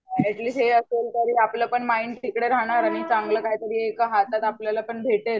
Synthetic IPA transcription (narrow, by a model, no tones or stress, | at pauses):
eʈliːsɦeəselt̪əɾiːapləpəɳmaiːnʈʰikɽeɾaɽ̃aɾaɽ̃it͡saŋɡləːkaɦit̪əɾiːekaɦat̪at̪apljalapəɳbʱeʈel